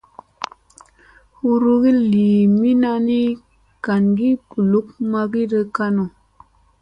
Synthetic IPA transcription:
hu˦ɾu˦ɣi˦liː˨mi˦na˦ni˦ | ka˨nɡi˦pu˨lu˨˦k̚ma˦ɡi˦də˧ka˦no˨

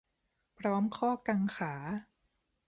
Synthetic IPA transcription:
pʰɾɔː˦˥mkʰɔː˥˩ka˧ŋxʰaː˩˦

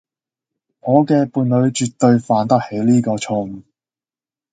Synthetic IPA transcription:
ŋɔː˨˧kɛː˧puː˨˧nlɵ˨˧ɥt͡ʃyː˨t̪ːɵ˧ɥfaː˨˧nt̪ɐ˥k̚he˨˥jliː˥kɔː˧t͡ʃʰʊ˧ŋ

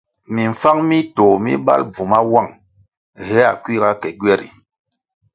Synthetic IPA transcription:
mi˨ɱ̩˨fa˦ŋmi˦to˨mḭ˦ɓa̰˦lb͡vu˨ma˦wa˦˨ŋ | he˦a˨kwi˦˨ka˦kɛ˨ɡɛ˦˨ɾḭ˨

